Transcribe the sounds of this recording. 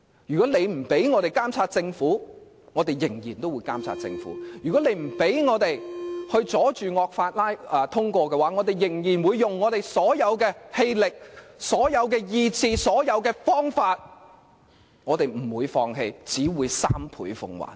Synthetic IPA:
jyː˨˩kɔː˨˥le˨˧jm̩˨˩pe˨˥jŋɔː˨˧ɾe˨jkaː˥mt͡sʰaː˧t̚t͡sɪ˧ŋfuː˨˥ | ŋɔː˨˧t̪e˨jːɪ˨˩ŋjiː˨˩nt̪o˥wuː˨˧jkaː˥mt͡sʰa̰ː˧t̚t͡sɪ̰˧ŋfṵ˨˥jyː˨˩kɔ˨˥le˨˧jm̩˨˩pe˨˥jŋɔː˨˧t̪e˨jhɵ˧ɥt͡sɔː˨˥t͡ʃyː˨ŋɔː˧k̚faː˧t̚laː˥jɛ˨˧t̪ʰʊ˥ŋkʷɔː˧kɛː˧waː˨˥ŋɔː˨˧t̪e˨jːɪ˨˩ŋjiː˨˩nwuː˨˧jːʊ˨ŋːɔː˨˧t̪e˨˩jsɔː˨˥jɐ˨˧wkɛː˧he˧jlɪ˨k̚sɔː˨˥jɐ˨˧wkɛː˧jiː˧t͡siː˧sɔː˨˥jɐ˨˧wkɛː˧fɔː˥ŋfaː˧t̚ | ŋɔː˨˧t̪e˨jm̩˨˩wuː˨˧jfɔː˧ŋɦe˧jt͡siː˨˥wuː˨˧jsaː˥mpʰṵː˨˥jfʊ̰˧ŋwa̰ː˨˩n

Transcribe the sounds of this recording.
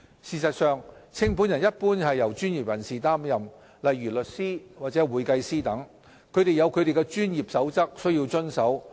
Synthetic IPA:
siː˨sɐ˨t̚sœː˨ŋt͡sʰɪ˥ŋpʰu˨˥njɐ˨˩njɐ˥t̚puː˥nhɐ˨jːɐ˨˩wt͡ʃy˥njiː˨p̚jɐ˨˩nsiː˨˩t̪aː˥mjɐ˨m | lɐ˨jːyː˨˩lɵ˨t̚siː˥waː˨t̚t͡sɛː˨˥wuː˨jkɐ˧jsiː˥t̪ɐ˨˥ŋ | kʰɵ˨˧ɥɾe˨jɐ˨˧wkʰɵ˨˧ɥɾe˨jkɛ˧t͡ʃyː˥njiː˨˩p̚sɐ˨˥wt͡sɐ˥k̚sɵ˥ji˧wt͡ʃɵ˥nsɐ˨˥w

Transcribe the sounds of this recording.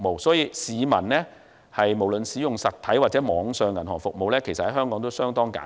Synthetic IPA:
mo˨wsɔː˨˥jiː˨˧siː˨˧mɐ̰˨˩nlɛː˥ | hɐ˨jmo˨˩wlɵ˨nsiː˨˥jʊ˨˩ŋsɐ˨t̪̚ʰɐ˨˥jwaː˨t̚t͡sɛ˨˥mɔː˨˧ŋsœː˧ŋjɐ˨˩nɦɔː˨˩ŋfʊ˨k̚mo˨wlɛː˥kʰe˨˩st̚hɐ˨˥jhɦœː˥ŋkɔː˨˥ŋt̪o˥wsœː˥ŋt̪ɔː˥ŋka̰ː˨˥

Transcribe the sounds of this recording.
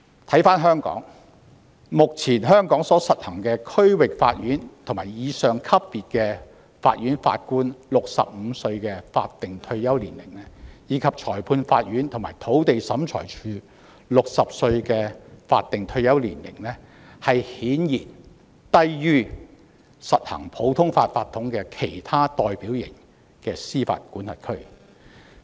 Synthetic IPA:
t̪ʰɐ˨˥jfaː˥nɦœː˥ŋkɔ̰ː˨˥ŋ | mʊ˨k̚t͡sʰiː˨˩nɦœː˥ŋkɔː˨˥ŋsɔː˨˥sɐ˨t̚hɐ˨˩ŋkɛː˧kʰɵ˥ɥwɪ˨k̚fa̰ː˧t̚jyː˨˥nt̪ʰŋmaː˨˩jjiː˨˧sœː˨ŋkʰɐ˥pːiː˨t̚kɛː˧ | fa̰ː˧t̚ɥyː˨˥nfa̰ː˧t̚kuː˥nlʊ˨k̚sɐ̰˨p̚m̩˨˧sɵ˧ɥkɛː˧fa̰ː˧t̚t̪ɪ˨ŋt̪ʰɵ˧ɥjɐ˥wliː˨˩nlɪ̰˨˩ŋlɛ˥jiː˨˧kʰɐ˨p̚t͡ʃʰɔː˨˩jpʰuː˧nfa̰ː˧t̚jyː˨˥nt̪ʰʊ˨˩ŋmaː˨˩jt̪ʰo˨˥wt̪e˨jsɐ˨˥mt͡ʃʰɔ̰ː˨˩jt͡ʃʰyː˧ | lʊ˨k̚sɐ˨p̚sɵ˧ɥkɛː˧fa̰ː˧t̪̚ɪ˨ŋt̪ʰɵ˧ɥjɐ˥wliː˨˩nlɪ̰˨˩ŋlɛ˥ | hɐ˨jhiː˨˥njiː˨˩n | t̪ɐ˥jjyː˥ | sɐ˨t̚hɐ̰˨˩ŋpʰo˨˥wt̪ʰʊ˥ŋfaː˧t̚faː˧t̪ʰːʊ˨˥ŋkɛ˧kʰe˨˩jt̪ʰaː˥t̪ɔː˨jpiː˨˥wjɪ˨˩ŋ | kɛː˧siː˥fa̰ː˧t̚kuː˨˥nhɐ˨˩t̚kʰɵ˥ɥ

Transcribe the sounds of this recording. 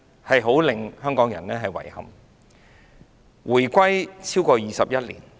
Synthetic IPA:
hɐ˨jɦo˨˥wlɪ˨ŋhœː˥ŋkɔː˨˥ŋjɐ̰˨˩nɛː˥ɦɐ˨jwɐ̰˨˩jhɐ̰˨m | wuː˨˩jkʷɐ˥jt͡sʰiː˥wkɔː˧jiː˨sɐ˨p̚jɐ˥t̚lḭː˨˩n

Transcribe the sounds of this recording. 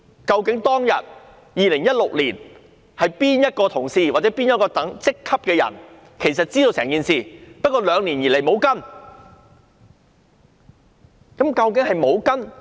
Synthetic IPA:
kɐ˧wkɪ˨˥ŋt̪ɔː˥ŋjɐ̰˨t̚ | jiː˨lɪ˨˩ŋjɐ˥t̚lʊ˨k̚liː˨˩n | hɐ˨jpiː˥njɐ˥t̚kɔː˧t̪ʰʊ˨˩ŋsiː˧waː˨˩t͡sɛː˨˥piː˥njɔ˨˥kɔː˧t̪ɐ˨˥ŋt͡sɪ˥kʰːɐ˥p̚kɛː˧jɐ̰˨˩n | kʰe˨˩jsɐ˨t̚t͡siː˥d̪o˧wsɛː˨˩ŋkiː˨nsiː˨pɐ˥t̚kɔː˧lœː˨˧ŋliː˨˩njiː˨˩le˨˩jmo˨˧wkɐ˥n | kɐ˨˥mkɐ˧wk̬ɪ˨˥ŋhɐ˨jmo˨˧wkɐ˥n

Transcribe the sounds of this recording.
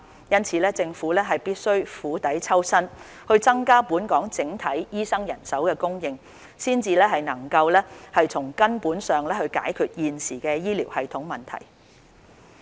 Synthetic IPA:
jɐ˥nt͡sʰiː˨˧lɛː˥t͡sɪ˧ŋfuː˨˥lɛː˥ɦɐ˨jpiː˥t̚sɵ˥ɥfuː˨˥t̪ɐ˨˥jt͡sʰɐ˥wsɐ˥n | hɵ˧ɥt͡sɐ˥ŋkaː˥puː˨˥nkɔː˨˥ŋt͡sɪ˨˥ŋt̪ʰɐ˨˥jjiː˥sɐ˥ŋjɐ̰˨˩nsɐ˨˥wkɛː˧kʊ˥ŋjɪ˧ŋ | siː˥nt͡siː˧lɛː˥ɦɐ˨jnɐ˨˩ŋkɐ˧wlɛː˥hɐ˨jt͡sʰʊ˨˩ŋkɐ˥npuː˨˥nsœː˨ŋlɛː˥hɵ˧ɥka̰ː˨˥jkʰyː˨t̚jiː˨nsiː˨˩kɛː˧jiː˥liː˨˩whɐ˨jt̪ʰʊ˨˥ŋmɐ˨˩nt̪ʰɐ̰˨˩j

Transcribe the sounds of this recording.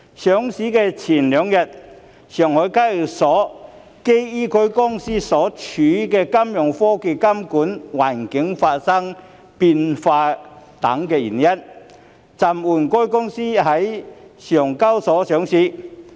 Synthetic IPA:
sœː˨˥ŋsiː˨˥kɛː˧t͡sʰiː˨˩nlœː˨˧ŋjɐ˨t̚ | sœː˨˩ŋhɔː˨˥jkaː˥jsɔː˨˥ | ke˥jiː˥kʰɵ˥ɥkʊ˥ŋsiː˥sɔː˨˥t͡ʃʰyː˨˥kɛː˧kɐ˥mjʊ˨˩ŋfɔː˥ke˧kɐ˥mkuː˨˥nwa̰ː˨˩nkɪ˨˥ŋfaː˧t̚sɐ˥ŋ | piː˧nfaː˧t̪ɐ̰˨˥ŋkɛː˧jiː˨˩njɐ˥n | t͡sɐ˨˩muː˨˩nkɔː˥jkʊ˥ŋsiː˥ɦɐ˨˥jsœː˨˩ŋkɐ˥wsɔː˨˥sœː˨˥ŋsiː˨˥

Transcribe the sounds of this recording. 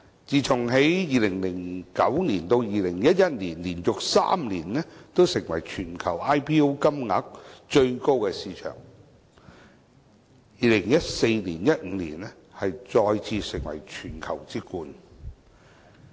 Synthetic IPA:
t͡siː˨˩t͡sʰʊ˨˩ŋɦe˨˥jjiː˨˧lɪ˨˩ŋlɪ˨˩ŋkɐ˨˥wniː˨˩nt̪o˧wjiː˨˩lɪ˨˩ŋjɐ˥t̚jɐ˥t̚liː˨˩nliː˨˩njʊ˨k̚sa̰ː˥mliː˨˩nnɛ˥t̪o˥wsɪ˨˩ŋwɐ̰˨˩jt͡ʃʰyː˨˩nkʰɐ˨˩wʔaː˥jpʰiː˥o˥wkɐ˥mŋa̰ː˨˥k̚t͡ʃɵ˧ɥko˥wkɛ˧siː˨˧t͡ʃʰœ̰ː˨˩ŋ | jiː˨˧lɪ˨˩ŋjɐ˥t̚se˧jniː˨˩njɐ˥t̚ŋ̩˨˧˥lḭː˨˩nɛ˥ | hɐ˨jt͡sɔː˧jt͡sʰiː˧sɪ˨˩ŋwɐ̰˨˩jt͡ʃʰyː˨˩nkʰɐ˨˩wt͡siː˥kuː˧n

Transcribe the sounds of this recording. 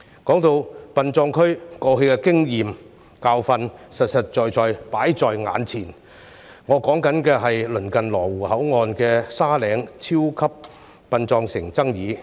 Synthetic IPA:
kɔː˨˥ŋt̪o˧wpɐ˧nt͡sɔː˧ŋkʰɵ˥ɥkɔː˧he˧jkɛː˧kɪ˥ŋjiː˨m | kaː˧wfɐ˧nsɐ˨t̚sɐ˨t̚t͡ʃɔː˨jt͡sɔː˨jpaː˨˥jt͡sɔː˨jŋa̰ː˨˧nt͡sʰiː˨˩n | ŋɔː˨˧kɔː˨˥ŋkɐ˨˥nkɛː˧ɦɐ˨jlɵ˨˩nkɐ˨nlɔː˨˩wuː˨˩hɐ˨˥wŋɔː˨nkɛː˧saː˥lɛː˨˧ŋt͡sʰiː˥wkʰɐ˥p̚ | pɐ˨˧nt͡sɔː˧ŋsɪ˨˩ŋt͡sɐ˥ŋjiː˨˧˥

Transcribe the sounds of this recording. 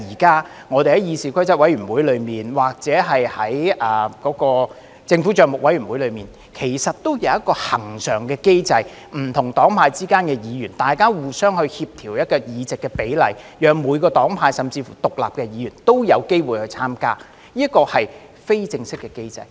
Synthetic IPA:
iː˨˩kaː˥ | ŋɔː˨˧t̪e˨jhɐ˨˦jiː˨˧siː˨˩kʰɐ˥jt͡sɐ˥wɐ˨˥jyː˨˩nwu˨˥jlɵ˨˧ɥmiː˨˩nwaː˨k̚t͡sɛː˨˥ɦɐ˨jhɐ˨˥jɐ˨˩kɔː˨˥kɔː˧ | t͡sɪ˧ŋfuː˨˥t͡ʃœː˨˧ŋmʊ˨k̚wɐ˨˥jɥyː˨˩wu˨˥jlɵ˨˧ɥmiː˨n | kʰe˨˩jsɐ˨t̚t̪ːo˥wjɐ˨˧wjɐ˥t̚kːɔː˧hɐ˨˩ŋsœː˨˩ŋkɛː˧ke˥jt͡sɐ˧j | m̩˨˩t̪ʰʊ˨˩ŋt̪ɔː˨˥ŋpʰaː˧jt͡siː˥kaː˥nkɛ˧jiː˨˧jyː˨˩nt̪aː˨jkaː˥wuː˨˩sœː˥ŋhɵ˧ɥhiː˧p̚t̪ʰiː˨˩wjɐ˥t̚kɔː˧jiː˨˧t͡sɪ˨kːɛ˧pe˨˥jlɐ̰˨˩jjœː˨˧ŋmuː˨˧jkɔː˧t̪ɔː˨˥ŋpʰaː˧jsɐ˨mt͡siː˧fṵ˨˩t̪ʊ˨k̚la̰ː˨p̚kɛ˧jiː˨˧jyː˨˩nt̪o˥wjɐ˨˧wke˥jwuː˨jhɵ˧ɥt͡sʰaː˥mka̰ː˥ | jiː˥kɔː˧hɐ˨j | fe˥jt͡sɪ˧ŋsɪ˥kːɛ˧ke˥jt͡sɐ̰˧j

